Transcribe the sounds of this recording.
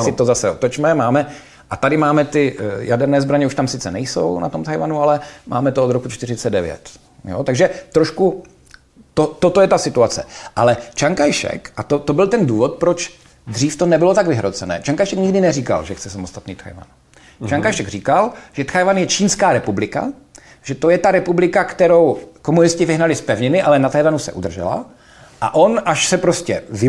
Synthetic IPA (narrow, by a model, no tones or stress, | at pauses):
sɪt̪ozasɛot̪ot͡ʃmɛmaːmɛ | ʔat̪adɪmaːmɛt̪ɪjadɛɾnɛːzbɾaɲɛuʃt̪amsɪt͡sɛnɛjso̰wna̰t̪omt̪ʰajvanualɛmʔa̰ːmɛt̪ood̪ɾokut͡ʃt̪ɪɾɪt͡sɛddɛvjɛ̰t̪ | jo̰t̪aɡʒɛt̪ɾoʃku | t̪ot̪ot̪ojɛt̪asɪt̪uat͡sɛʔalɛt͡ʃaŋkajʃɛ̰kʔat̪ot̪obɪlt̪ɛnduːvot̪̚pɾot͡ʃ | d̪r̝iːft̪o̞nɛbɪlot̪aɡvɪɦɾot͡sɛnɛ̰ːt͡ʃaŋkajʃɛkɲɪɡdɪnɛriːka̰lʒɛxt͡sɛsamost̪at̪niːt̪xa̰jva̰n | t͡ʃaŋkajʃɛɡriːkalʒ̥ɛt̪xajvanjɛt͡ʃiːnskaːɾɛpublɪka̰ | ʒ̥ɛt̪o̞jɛt̪aɾɛpublɪkakt̪ɛɾo̞wko̞munɪscɪvɪɦnalɪspɛvɲɪnɪʔalɛnat̪ajvanusɛ̰ʔud̪r̩ʒɛ̰la̰ | ʔa̰ʔo̞nʔaʃsɛpɾoscɛvɪ